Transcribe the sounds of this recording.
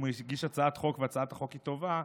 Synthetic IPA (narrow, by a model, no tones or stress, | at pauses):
muiɡiʃat͡saat̪χo̞kveat͡saat̪haχo̞kit̪o̞va